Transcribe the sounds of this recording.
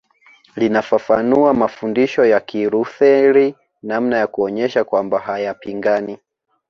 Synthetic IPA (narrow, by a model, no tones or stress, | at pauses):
linafafanuamafundiʃɔjakiɾuθɛɾi | nam̩najakuɔɲɛʃakwambaɦajapiŋɡani